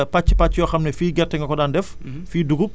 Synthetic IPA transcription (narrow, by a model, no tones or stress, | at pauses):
pat͡ʃːi̥pat͡ʃːjɔxɐmnɛfiːɡɛtːɛŋɡɐkɔdaːndɛf | fiːduɡup̚